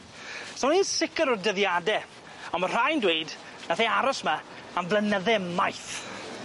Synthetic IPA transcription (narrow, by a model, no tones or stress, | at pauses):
sɔniːnsɪkəɾɔrdəðjadɛ | ɔnmər̥ajndwejd | naθiaɾɔsmaanvlənəðɛmajθ